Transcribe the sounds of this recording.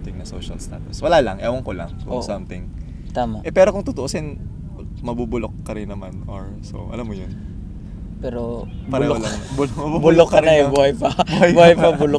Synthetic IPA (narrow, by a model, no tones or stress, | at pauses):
t̪ɪŋnɐso̰ʃɐlst̪a̰ːt̪ʊswɐlaːlɐŋʔɛːwɐŋkolɐ̰ŋosɐmt̪ɪŋ | t̪aːmɐʔɛpɛːɾo̞kʊŋt̪ʊt̪oʔoːsɛn | mɐbubʊlok̚ːɐɾɪnːɐmanoɹ | so̰ʔɐ̰lamːojon | pɛːɾo | bɐɾɛlɐŋnbʊmɐbubʊllokːɐnnɐɛbuːhɐjpɐbhɐjuhajpɐbʊlo